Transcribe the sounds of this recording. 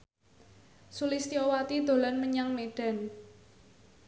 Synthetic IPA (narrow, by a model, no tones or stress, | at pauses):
sulist̪iowat̪id̪̥o̤lanməɲaŋmeɖ̥a̤n